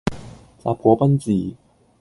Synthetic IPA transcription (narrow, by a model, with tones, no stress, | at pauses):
sa̰˧pʰɔ˨˦pɐ˥nt͡siː˨˩